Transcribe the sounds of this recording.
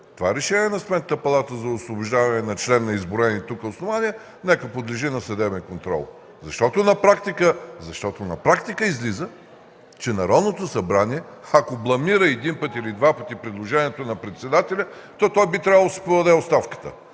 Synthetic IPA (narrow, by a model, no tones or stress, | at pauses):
t̪ovaɛɾɛʃɛniɛnɐst̪mɛnt̪ət̪əpɐlˠat̪əzɐʊslˠobʊʒd̪avɐnɛnɐt͡ʃlɛnːɐizbʊɾɛnit̪ukəosnovaniə | nɛkəpod̪liʒinɐsɐd̪ɛbɛnkont̪ɾɔ̰lˠ | zɐʃt̪ɔt̪onɐpɾakt̪ikəzɐʃt̪ɔt̪onɐ̰pɾakt̪ikəizlizə | t͡ʃɛnɐɾɔd̪not̪osɐbɾaniɛɐkoblˠɐmiɾəɛd̪inpət̪ilid̪vapət̪ipɾid̪lˠoʒɛniɛt̪onɐpɾɛt̪sɛd̪at̪ɛlʲə | t̪ɔt̪ɔjbit̪ɾʲavəlˠsɛ̥pod̪ɐd̪ɛotst̪afkə̥t̪ə̰